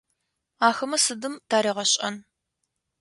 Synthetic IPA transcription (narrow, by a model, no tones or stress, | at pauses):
aːxɐmɐsɨdɨmtʰaːɾiːʁɐɕʼɐ̰n